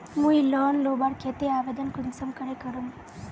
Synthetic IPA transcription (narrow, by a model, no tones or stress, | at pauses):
mujilɔːnloːbaːɾkʰet̪ːeaːʋed̪ɐnkʊd̪ɪsɐmkɐɾekɐɾum